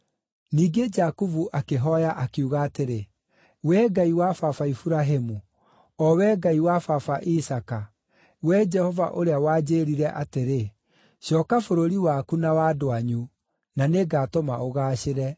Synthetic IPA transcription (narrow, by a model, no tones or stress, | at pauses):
niːɡed͡ʒakuvuʔakeɦɔjaʔakuɣaːteɾe | wɛɡaiwafafaifuɾaɦemu | ɔwɛːɡaiwafafaʔisaka | wɛd͡ʒɛhɔva̰ʔoɾeawaːd͡ʒeɾiɾɛʔateɾe | ɕɔːkafoɾoɾiwaːkunawadoaɲu | naneɡaːtomaoɣaːɕeɾɛ